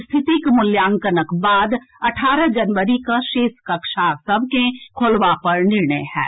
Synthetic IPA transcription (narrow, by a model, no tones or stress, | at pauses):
st̪ʰɪt̪ikmʊljãːŋkənəkbaːd̪ | ɐʈʰaːɾəd͡ʒɐnʋəɾikaʃeːskɐkʃasɐbʱkẽkʰolʋapɐɾnɪɾɳəjhɛ̰ː